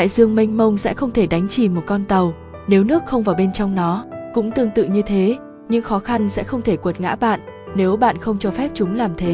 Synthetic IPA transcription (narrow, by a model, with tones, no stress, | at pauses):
a̰ː˧˨jzɨ˧əŋmi˧ŋ̟mə˧wŋ͡msɛ̰˧˥xə˧wŋ͡mt̪ʰe˧˩ɗa˨˦jŋ̟t͡ɕi˧˩mo˨˩t̚kɔ˧nt̪ə˨˩w | ne˨˦wnɨ˦˥ək̚xə˧wŋ͡mvaː˨˩wɓe˧nt͡ɕɔ˧wŋ͡mnɔ˨˦kʊ̰˧˥ŋ͡mt̪ɨ˧əŋt̪ɨ̰˧˨ɲɨ˧t̪ʰe˨˦ | ɲɨ̰˧˥ŋxɔ˨˦xa˧nsɛ̰˧˥xə˧wŋ͡mt̪ʰe˧˩kwə˨˩t̚ŋa̰ː˧˥ɓa̰ː˧˨nʔne˨˦wɓa̰ː˧˨nxə˧wŋ͡mt͡ɕɔ˧fɛ˦˥p̚t͡ɕʊ˨˦ŋ͡mlaː˨˩mt̪ʰe˨˦